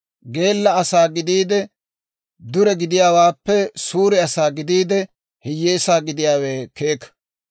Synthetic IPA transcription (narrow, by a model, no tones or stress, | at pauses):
ɡe̞ːlːɐɐsaːɡɪd̪iːd̪ɛ | d̪ʊɾɛɡɪd̪ɪjaːwaːpːɛsuːɾɪɐsaːɡɪd̪iːd̪ɛ | hɪjːeːsaːɡɪd̪ɪjaːweːke̞ːkːɐ̥